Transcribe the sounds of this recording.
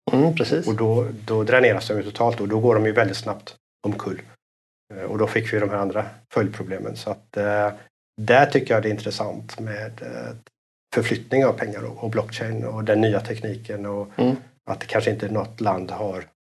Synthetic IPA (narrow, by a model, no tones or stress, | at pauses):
pʰɾɛsiːsɔd̪ɔd̪ɔd̪ɾɛneːɾasd̪ɔmjɵt̪ʰʊ̥t̪ʰɑːlt̪ɔd̪ɔɡoːɖɔmjɵvɛlɪt̪snapt̪ | ɔmkʰɵlː | ɔ̰d̪ɔfɪkːvɪjd̪ɔmɦæːɾand̪ɾafœljpʰɾʊbleːmə̰nsɔat̪ | d̪æʈʰʏkːəjad̪ɛɪnt̪ɾəsa̰nt̪meːd̪ | fœɾflʏt̪nɪŋavpʰɛŋːaɾɔ̰ɔblɔkːt͡ʃɛɪnɔd̪ɛnːyːat̪ʰɛkniːkənɔ | a̰t̪̚d̪ɛ̥kʰanʂəɪnt̪ənɔt̪ːland̪haɾ